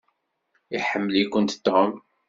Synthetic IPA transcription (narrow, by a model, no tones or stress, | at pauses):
iħəmːəlikʷʊnt̪t̪ːom